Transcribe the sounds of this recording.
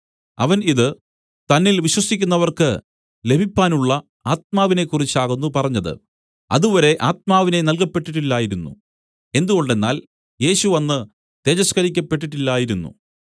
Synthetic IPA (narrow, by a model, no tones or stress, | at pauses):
ɐ̰ʋɐniðɨ | t̪ɐnːilʋiɕwɐsikʲːunːɐʋɐrkɨ | le̞bʱipːaːnuɭːɐ | aːt̪̚maːʋine̞kːurit͡ɕːaːɣunːupɐrɐɲːɐðɨ̰ | ɐ̰ðuʋɐɾe̞ʔaːt̪̚maːʋine̞nɐlkɐpːe̞ʈːiʈːilːaːjiɾunːṵ | e̞nd̪uɣo̞ɳɖe̞nːa̰ːl | je̞ːɕuʋɐnːɨ | t̪e̞ːd͡ʑɐskɐɾikʲːɐpːe̞ʈ̬ːiʈːilːaːjiɾunːṵ